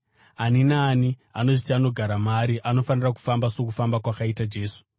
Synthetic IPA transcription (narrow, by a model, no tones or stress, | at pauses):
aninaːniano̞ʐitiano̞ɡʱaɾamaɾiʔano̞faniraku̥fambaso̞kufambakwakaitad͡ʒe̞ːsu̥